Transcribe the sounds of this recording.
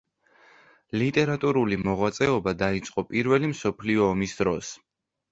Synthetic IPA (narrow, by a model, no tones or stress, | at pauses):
lit̪ʼɛɾat̪ʼuɾulimɔʁwat̪sʼɛɔbad̪ait̪sʼqʼɔpʼiɾvɛlimsɔpʰliɔːmisd̪ɾɔs